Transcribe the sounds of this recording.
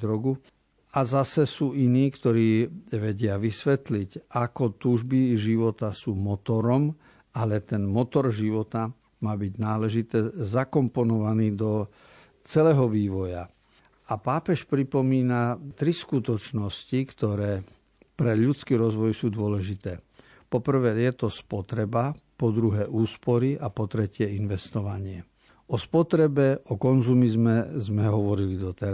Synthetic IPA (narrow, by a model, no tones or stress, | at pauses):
d̪ɾɔɡu | azasɛsuːʔiniːkt̪ɔɾiːʋɛɟɪaʋisʋɛt̪liɟakɔt̪uːʒbiʒiʋɔt̪asuːmɔt̪ɔɾɔm | alɛt̪ɛnmɔt̪ɔɾʒiʋɔt̪a | maːbiɟnaːlɛʒit̪ɛːzakɔmpɔnɔʋaniːd̪ɔ | t͡sɛlɛːɦɔʋiːʋɔja | apaːpɛʃpɾipɔmiːnat̪ɾiskut̪ɔt͡ʃnɔscikt̪ɔɾɛː | pɾɛʎut͡skiːɾɔzʋɔjsuːd̪ʊɔlɛʒit̪ɛː | pɔpr̩ʋɛːjɛt̪ɔspɔt̪ɾɛbapɔd̪ɾuɦɛːʔuːspɔɾiʔapɔt̪ɾɛcɪɛinʋɛst̪ɔʋaɲɪɛ | ɔspɔt̪ɾɛbɛʔɔkɔnzumizmɛzmɛɦɔʋɔɾilid̪ɔt̪ɛɾ